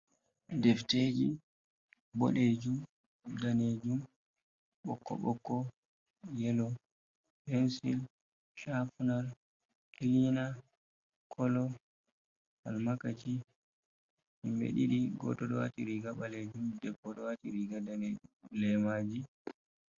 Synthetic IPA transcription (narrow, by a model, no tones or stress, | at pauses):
dɛfteːd͡ʒḭ | bɔɗed͡ʒum | daned͡ʒum | ɓɔkːɔ̰ɓɔkːɔ | jɛlɔ | pɛnsḭl | ʃafunal | kilina | kʰɔlɔ | halmakat͡ʃi | himbḛɗḭɗiɡɔ̰tɔɗɔwa̰tiɾiɡaɓaled͡ʒumdɛbːɔɗɔwatiɾiɡadaned͡ʒumlɛmad͡ʒi